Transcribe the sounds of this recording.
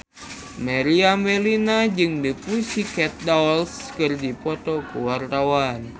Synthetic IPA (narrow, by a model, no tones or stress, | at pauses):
mɛɾiamɛlinad͡ʒɨŋdipusikɛt̪̚dalskɨrdipɔt̪ɔkuwart̪awan